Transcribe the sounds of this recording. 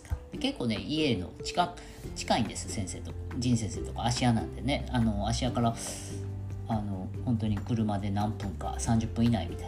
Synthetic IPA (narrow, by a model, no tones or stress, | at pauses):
kad̪eke̞kːo̞ːne̞̰ie̞no̞̰t͡ɕi̥ka | t͡ɕi̥kaĩnd̪e̞sɨ̥sẽ̞ɰ̃se̞ːt̪o̞d͡ʑĩɰ̃sẽse̞ːt̪o̞kaːɕianãnd̪e̞ne̞ano̞aɕiakaɾa | ano̞ | hõ̞nt̪o̞ɲ̟ikɯ̟ɾɯ̟mad̪e̞nãmpɯ̟̃ŋka̰sãɲ̟d͡ʑɨpːɯ̟̃ina̰ḭmʲit̪a